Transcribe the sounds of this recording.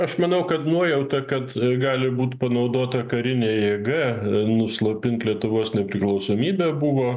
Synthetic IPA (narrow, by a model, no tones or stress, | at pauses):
ɐʃmɐnɐʊkɐt̪nuɔjɛʊt̪ɐkɐt̪ɡɑːlʲɪbuːt̪pɐnɐʊd̪oːt̪ɐkɐɾʲɪnʲeːjeːɡɐnʊslˠopʲɪnt̪lʲiɛt̪ʊʋoːsnʲɛpʲɾʲɪklˠɐʊsoːmʲiːbʲɛːbʊʋoː